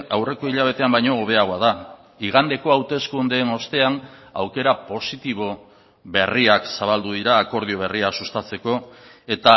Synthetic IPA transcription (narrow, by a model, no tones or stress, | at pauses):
awre̞ko̞iʎaβ̞e̞t̪e̞ambajɲooβ̞e̞aɣo̞aða | iɣ̞and̪e̞ko̞awt̪e̞skund̪e̞ːno̞st̪e̞ana̰wke̞ɾapo̞sit̪iβo̞ | βe̞riaksaβald̪uðiɾaːko̞ɾð̞io̞βe̞riasust̪at͡se̞ko̞e̞t̪a